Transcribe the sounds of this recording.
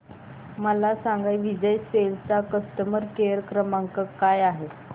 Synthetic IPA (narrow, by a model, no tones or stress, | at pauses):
məlasaŋɡajʋid͡ʑəjselt͡sakəst̪əməɾkeəɾkɾəmaŋkəkajaɦe